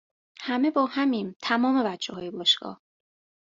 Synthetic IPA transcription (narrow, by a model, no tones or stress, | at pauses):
hæme̞bɒːhæmiːnt̪ʰæmɒːmevæd͡ʒʰːehɒːjebɒːʃɡɒ̰ːh